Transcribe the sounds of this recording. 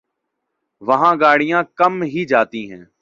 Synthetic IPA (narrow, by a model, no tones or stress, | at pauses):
ʋəɦãːɡaːɽɪjãːkəmɦiːd͡ʒaːt̪ĩːɦɛ̰̃ː